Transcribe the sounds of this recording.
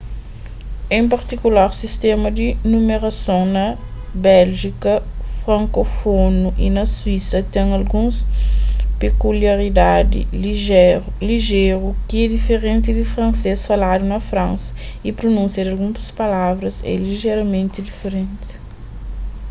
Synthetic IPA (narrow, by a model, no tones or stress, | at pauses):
ẽp̬ɐɾt̪ikulaɾsist̪ɛ̃mɐd̪inumeɾɐsõwnɐ | bɛlʒikɐfɾɐ̃ŋkofonuʔḭnɐswisɐt̪ɛ̃ŋɐlɡũs | pekuliɐɾid̪ad̪ḭiʒɛɾliʒeɾukiɛd̪ifeɾẽnt̪id̪ifɾɐ̃nsesfɐlad̪unɐfɾãnsɐ̥ipɾonũsjɐd̪ɐlɡũspɐlavɾɐzɛ̰liʒeɾɐmẽnt̪id̪ifeɾẽnt̪i̥